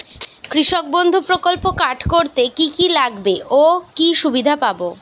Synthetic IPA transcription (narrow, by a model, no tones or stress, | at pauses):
kɾiʃok̚bond̪ʱupɾokolpokaʈʰkoɾt̪ekikilaɡbeʔokiʃubid̪ʱapabo